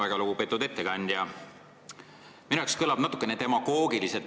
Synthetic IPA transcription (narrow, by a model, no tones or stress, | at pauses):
æɡ̥ɑluɡ̥upe̞t̪ːˑud̪e̞t̪ːeɡɑnʲd̪̥jɑ | minuekskɤlɑb̥nɑt̪ːˑu̥kːˑenet̪e̞mɑɡ̥o̞ːɡ̥iliset̪ːˑ